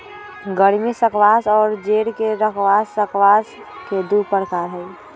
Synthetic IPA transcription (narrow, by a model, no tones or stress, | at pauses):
ɡəɽmẽsəkʋaːsɔːɾd͡ʒeːɽkeɾəkʰʋaːsːəkʋaːs | ked̪upəɾkaːɾɦɛː